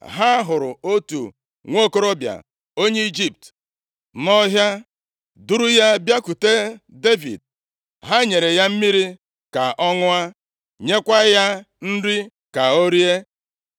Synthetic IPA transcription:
ɦa˦ɦʊ˨ɾʊ˨o˦tṵ˨ | ŋʷo˦ko˦ɾo˦bja̰˨ | o˦ɲe˦i˦d͡ʒi˦p̚t | nɔ˦ɦja˦ | du˦ɾu˦ja˦bja˦ku˨te˦de˦vḭ˨d̚ | ɦa˦ɲe˨ɾe˨ja˦m̩˦mi˦ɾi˦ | ka˨ʔɔ˦ŋʊ˦a˦ | ɲe˦kʷa˦ja˦ | n̩˦ɾi˦ | ka˨o˦ɾi˦e˦

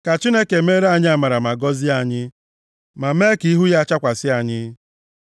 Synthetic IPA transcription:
ka˨t͡ʃi˦ne˦ke˨me˦ɾa˨ɲɪ˦a˨ma˨ɾa˨ma˨ɡɔ˦zɪ˦a˨ɲɪ˦ | ma˨me˦ki˨˦ɦu˦ja˦t͡ʃa˦kʷa˨sɪ˦a˨ɲɪ˦

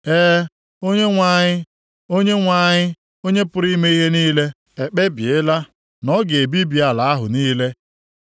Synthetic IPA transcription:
eː˦ | o˦ɲe˦ŋʷa˨ɲɪ˦ | o˦ɲe˦ŋʷa˦˨ɲɪ˦ | o˦ɲe˦pʊ˦ɾi˦me˦i˦ɦe˦niː˦le˦ | e˨k͡pe˦bje˦la˦ | nɔ˦ɡe˨bi˦bi˨a˨la˨a˦ɦʊ̰˨niː˦le˦

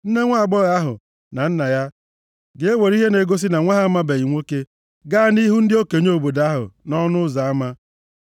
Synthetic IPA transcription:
n̩˦ne˦ŋʷa˦a˨ɡ͡bɔ˦ɣa˦ɦʊ̰˨ | na˨n̩˦na˨ja˦ | ɡe˨e˦we˨ɾi˦ɦe˦ne˨ɡo˦s̬i˦na˨ŋʷa˦ɦa˦ma˦be˨i˨ŋʷo˦ke˦ | ɡa˦ni˦ɦu˦n̩˦dɪ˦o˦ke˨ɲ˦o˨bo˨da˦ɦʊ̰˨nɔ˦nʊ˦za˨a˦ma˦

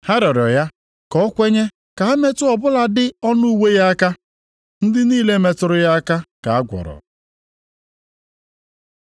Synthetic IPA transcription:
ha˦ɾɔ˨ɾɔ˨ja˦ | kɔ˦kʷe˦ɲe˦ | ka˨a˦me˦tʊ˦ɔ˨bʊ˦la˨dɪ˦ɔ˦nu˦u˦˨we˦ja˦a˦ka˦ | n̩˦dɪ˦niː˦le˦me˨tʊ˨ɾʊ˨ja˦ka˦ka̰˨a˦ɡʷɔ̰˨ɾɔ̰˨

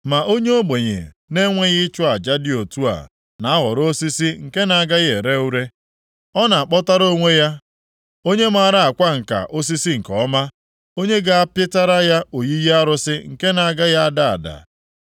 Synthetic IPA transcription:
ma˨ʔo˦ɲe˦o˦ɡ͡be˨ɲḛ˨ | ne˦ŋʷe˦ɣɪ˦t͡ʃʊ˦a˨d͡ʒa˦dɪ˦o˨tu˦a̰˨ | na˨a˦ɣɔ˨ɾo˦si˦si˦ŋ̩˨ke˦na˨a˨ɡa˦ɣe˨ɾe˦u˦ɾe˦ | ɔ˦na˨a˨k͡pɔ˦ta˦ɾo˦ŋʷe˦ja˦ | o˦ɲe˦m˦a˨ɾa˦a˨kʷa˦ŋ̩˨ka̰˨ʔo˦s̬i˦si˦ŋ̩˨kɔ˨˦ma˦ | o˦ɲe˦ɡa˦a˦pjɪ˦ta˦ɾa˦ja˦o˨ji˦ja˦a˦ɾʊ˦sɪ˦ŋ̩˨ke˦na˨a˨ɡa˦ja˦a˦da˦a̰˨da̰˨

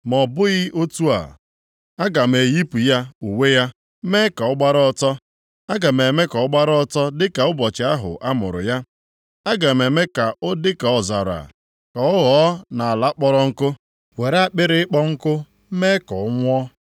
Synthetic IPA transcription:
mɔ˨bʊ˦ɣɪ˦o˦tu˦a̰˨ | a˦ɡa˨m̩˨e˨ji˦pu˨ja˦u˨we˦ja˦ | me˦ka˨ɔ˦ɡ͡ba˦ɾɔ˦ɔ˦˨tɔ˦ | a˦ɡa˨m̩e˨me˦kɔ˨ɔ˦ɡ͡ba˦ɾɔ˦ɔ˦tɔ˦dɪ˦ka˨ʊ˦bɔ˨t͡ʃɪ˨˦a˦ɦʊ̰˨ʔa˦mʊ̰˨ɾʊ̰˨ja˦ | a˦ɡa˨m˨e˨me˦ka˨ʔʊ˦dɪ˦ka˨ɔ˨za̰˨ɾa̰˨ | ka˨ɔ˦ɣɔ˨˦na˨a˨la˦k͡pɔ˦ɾɔ˦ŋ̩˦kʊ˦ | we˨ɾk͡pɪ˦ɾɪ˦ɪ˦k͡pɔ˦ŋ̩˦kʊ˦ | me˦kɔ˨ʊ˦ŋʷ˦ɔ˦

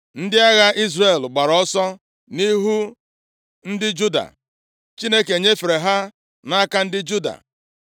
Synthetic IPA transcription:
n̩˦dɪ˦a˦ɣa˦ʔi˦zre˨lɡ͡ba˨ɾɔ˦sɔ˦ | ni˦ɦu˦ | n̩˦dɪ˦d͡ʒu˦da̰˨ | t͡ʃi˦ne˦ke˨ɲe˦fe˨ɾe˨ɦa˦ | na˦ka˦n̩˦dɪ˦d͡ʒu˦da̰˨

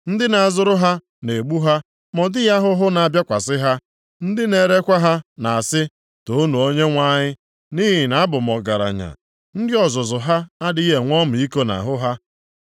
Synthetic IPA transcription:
n̩˦dɪ˦na˨a˨zʊ˦ɾʊ˦ɦa˦ | ne˨ɡ͡bu˦ɦa˦ | mɔ˨dɪ˦ja˦ɦʊ˦ɦʊ˦na˨a˨bja˦kʷa˨sɪ˦ɦa˦ | n̩˦dɪ˦ne˨ɾe˦kʷa˦ɦa˦na˨a˨sɪ˦ | to˨o˦nu˨o˦ɲe˦ŋʷa˦ɲɪ˦ | niː˦ɦɪ˨na˨˦a˦bʊ˨m˨ɔ˨ɡa˨ɾa̰˨ɲa̰˨ | n̩˦dɪ˦ɔ˨zʊ˨zʊ˨ɦa˦a˦di˦ɦe˨ŋʷɔ˦m̩˨i˦ko˦na̰˨ɦʊ˦ɦa˦

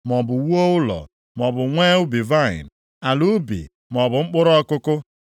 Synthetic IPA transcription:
m˨ɔ˨bʊ˨wu˦o˦ʊ˦lɔ̰˨ | mɔ˨bʊ˨ŋʷeː˦ʊ˦bi˨va˦˨ɪ̰˨n˨ | a˨lu˦bḭ˨ | m˨ɔ˨bʊ˨ŋ͡m̩˦k͡pʊ˦ɾɔ˦kʊ˦kʊ˦

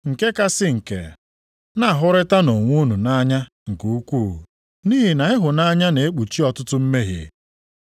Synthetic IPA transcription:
ŋ̩˨ke˦ka˦sɪ˦ŋ̩˨kḛ˨ | na˦˨ɦʊ˦ɾɪ˦ta˦no˨ŋʷʊ˦nu˨na˦ɲa˦ | ŋ̩˨ku˨u˦kʷuː˦˨ | niː˦ɦi˨na˨ɦɪ˦ɦʊ˨na˦ɲa˦ne˨e˦k͡pu˨t͡ʃi˦ɔ˨tʊ˦tʊ˦m̩˦me˦ɦɪ̰˨

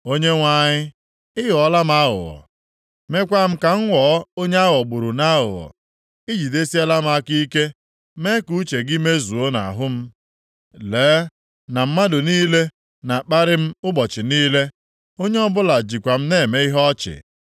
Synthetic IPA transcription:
o˦ɲe˦ŋʷa˨˦˨ɲɪ˦ | ɪ˦ɦɔ˨˦la˦m̩˦a˦ɦʊ̰˨ɔ̰˨ | me˦kʷa˦m̩˦ka˨ŋ̩˦ŋʷɔ˨˦o˦ɲe˦a˦ɦɔ˨ɡ͡bʊ˨ɾu˨na˦ɦʊ̰˨wɔ̰˨ | i˦d͡ʒi˨de˦si˦a˦la˦m̩˦a˦ki˦i˦ke˦ | me˦ku˦t͡ʃe˨ɡɪ˦me˦zu˨o˦na̰˨ɦʊ˦m̩˦ | leː˨˦ | na˨m̩˦ma˦dʊ˨niː˦le˦ | na˨k͡pa˦ɾɪ˦m̩˦ʊ˦bɔ˨t͡ʃɪ˨niː˦le˦ | o˦ɲe˦ɔ˦bʊ˦la˨d͡ʒi˨kʷa˨m̩˦neː˦˨me˦i˦ɦɔ˦t͡ʃɪ̰˨

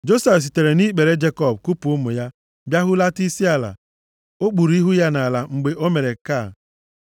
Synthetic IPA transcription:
d͡ʒo˦se˨fs̬i˨te˨ɾe˨ni˦k͡pe˨ɾe˦d͡ʒe˦kɔ˦˨b̚ku˦pu˨ʊ˦mʊ˨ja˦ | bja˦ɦʊ˦la˦ti˦si˦a˨la̰˨ | o˦k͡pu˨ɾi˦ɦu˦ja˦na˨a˨la˨ŋ͡m̩˨ɡ͡be˨ʔo˦me˨ɾe˨ka˦˨

